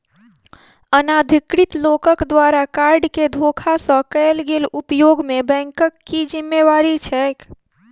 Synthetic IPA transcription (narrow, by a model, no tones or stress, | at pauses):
ənad̪ʱikɾit̪lokəkd̪ʋaɾakaɾɖked̪ʱokʰasə̃kəelɡelupjoɡmebɛ̃ŋkəkːid͡ʒimːeʋaɾit͡ʃʰɛk